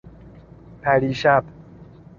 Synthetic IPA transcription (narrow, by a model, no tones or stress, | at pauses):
pʰæɾiːʃæb